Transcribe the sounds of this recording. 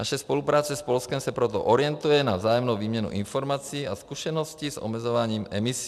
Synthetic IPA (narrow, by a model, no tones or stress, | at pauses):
naʃɛspɔlupɾaːt͡sɛspɔlskɛmsapɾɔt̪ɔ̰ʔɔɾɪɛnt̪ujɛnavzaːjɔmnɔʊʋiːmɲɛnṵʔinfɔɾmaːt͡siːaskusɛnɔscizɔ̰mɛd͡zɔʋaɲiːmɛmis